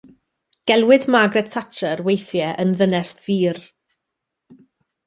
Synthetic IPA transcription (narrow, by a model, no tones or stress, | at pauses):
ɡ̥ɛlˠwɪdmaɡɾɛtθʰat͡ʃʰəɾwejθjɛʔənðənɛstv̥iːr